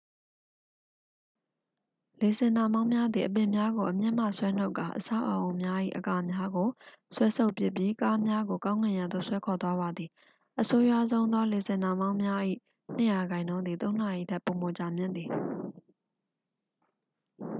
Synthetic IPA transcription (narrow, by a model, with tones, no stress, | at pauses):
le˨zɪ̃˨nã˨mã˦ʊ̃mja˦d̪i˨ʔəp̬ɪ̃˨mja˦ɡo˨ʔəmjɪ̃˦˨m̥a̰˦˨swɛ˦n̥o˦ʊkːa˨ʔəsa̰˦˨ʔə˨ʔõ˨ʊ̃mja˦ʔḭ˦˨ʔəka˦mja˦ɡo˨swɛ˦sʰo˦ʊpjɪ˦˨pji˦ka˦mja˦ɡo˨kã˦ʊ̃ŋã˨jã˨d̪o̰˦˨swɛ˦kʰɔ˨t̪wa˦βa˨d̪ði˨ | ʔəso˦ja˦˨zõ˦ʊ̃nd̪wa˦le˨zɪ̃˨nã˨mã˦ʊ̃mja˦ʔḭ˦˨ | n̥ə˦˨ja˨ɡã˨ɪ̃nõ˦nd̪ði˨t̪õ˦ʊ̃n̥a˨ʔḭ˦˨tʰɛ˦˨pːo˨mo˨t͡ɕa˨mjɪ̃˦nd̪ði˨